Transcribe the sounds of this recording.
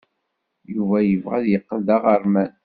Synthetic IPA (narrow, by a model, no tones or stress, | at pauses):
juvæjəvʁæ̰ðjəqːəld̪aʁəɾˤmæn